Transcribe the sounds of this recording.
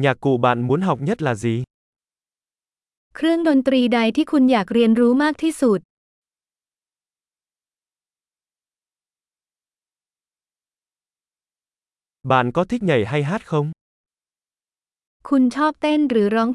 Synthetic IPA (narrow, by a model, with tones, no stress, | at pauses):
ɲaː˨˩kːṵ˧˩ɓa̰ː˧˨nmu˨˦ənɦa˨˩wk͡p̚ɲə˦˥t̚laː˨˩zi˨˩ | kʰɾɨ˥˩əŋɗoː˧˩nt̪ɾiː˧ɗa˨˧jt̪ʰiː˥˩kʰu˧njaː˨˩k̚ɾi˧ənɾuː˨˦maː˥˩k̚t̪ʰi˥˩su˨˩t̪̚ | ɓa̰ː˧˨nkɔ˨˦t̪ʰï˦˥k̚ɲə˨˧˩jɦa˧jɦaː˦˥t̚xə˧wŋ͡m | kʰu˧nt͡ɕʰɔː˦˥p̚t̪eː˥˩nɾɨː˨˩˦ɾɔ˨˦ŋ